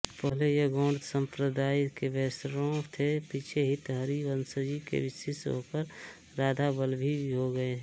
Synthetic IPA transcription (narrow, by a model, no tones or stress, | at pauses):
pəɦlejeɡõːɳɖ̪sə̃mpɾəd̪aːikebɛːsɾõt̪ʰepit͡ʃʰeɦɪt̪ɦəɾiʋənsəd͡ʒikḛʋɪsɪsɦo̰ːkəɾ | ɾaːd̪ʱabəlbʱiɦoɡəeɦɛ̃